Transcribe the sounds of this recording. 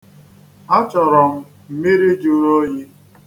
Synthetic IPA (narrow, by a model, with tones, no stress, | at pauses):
a˦t͡ʃɔ˨ɾɔ˨m̩˦ | m̩˦me˦ɾi˦d͡ʒu˦ɾo˦ɲe˦